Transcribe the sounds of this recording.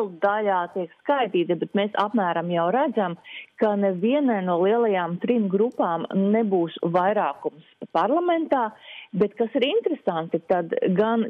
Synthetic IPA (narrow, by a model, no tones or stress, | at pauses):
lˠd̪aʎaːt̪iɛkskajt̪iːt̪ibet̪meːsa̰pmæːɾamjawɾæd̪zamkanɛviɛnajnuɔlˠiɛlˠajaːmt̪ɾimɡɾupaːmnebuːsvajɾaːkumspaɾlˠament̪aːbet̪kasiɾint̪ɾesant̪it̪ad̪ɡan